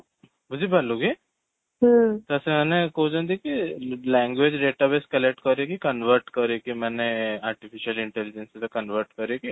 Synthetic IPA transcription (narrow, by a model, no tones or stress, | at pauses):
bud͡ʒibɐluɡe | ɦt̪ɛsemɛːnekoːd͡ʒə̃nd̪ikilɛ̃ːŋɡʋed͡ʒɖeːʈabeskɐlek̚ʈkɐɾekikɐnʋəɾʈkəɾekimɛːneaːɾʈifʰiʃiəlɪ̃ɳʈɛlɪd͡ʒẽnset̪okɐnʋəɾʈkɐɾeki